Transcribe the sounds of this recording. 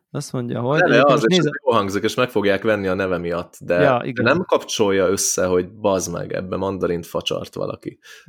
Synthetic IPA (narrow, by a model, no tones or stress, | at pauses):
ɒsmoɲɟɒ̰ɦonɛvɛɒzeːʃjoːlɦɒŋɡzikeːʃmɛkfo̞ɡjaːkʋɛnːiɒnɛvɛmijɒt̪ːd̪ɛ̰nɛmkɒpt͡ʃo̞jːɒø̞sːɛɦo̞ɟbɒzmɛ̰ɡɛ̰bːɛmɒnd̪ɒɾint̪fɒ̰t͡ʃɒ̰rt̪ʋɒ̰lʔɒ̰kḭ